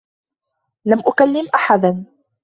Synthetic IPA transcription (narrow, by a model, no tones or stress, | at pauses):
lamʔʊkalːɪmʔaħad̪an